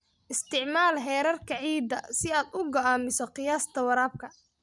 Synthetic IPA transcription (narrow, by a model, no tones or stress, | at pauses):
ʔɪst̪ʰɪʕmaːlɦɛːɾɐrkʰɐʕiːd̪ɐ̰sɪaːd̪ʊɡɐaːmɪsɔqɪjaːst̪ʰɐwɑɾaːb̚kʰɐ